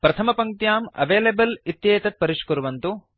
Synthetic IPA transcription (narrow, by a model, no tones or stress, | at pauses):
pɾɐt̪ʰɐmɐpɐŋk̚t̪jaːmɐ̰ʋeːlebɐlit̪jeːt̪ɐt̪̚pɐɾiʂkuɾuʋɐnt̪u